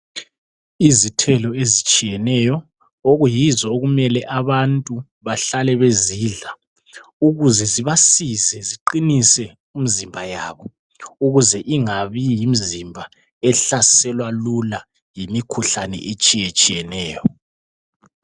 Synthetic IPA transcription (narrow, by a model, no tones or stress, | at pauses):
izitʰɛlɔezit͡ʃʼijɛnɛjɔ | oɣujizɔoɣumɛlɛʔaβantʼu | βaɬalɛβeziɮa | uɣuzɛziβasizɛziǃinisɛ | um̩zimbʱajaβɔ | uɣuzɛʔiŋaβijim̩zimbʱa | ɛɬasɛlwalula | jimikʰuɬanɛ̰ʔet͡ʃʼijet͡ʃʼijɛnɛːjɔ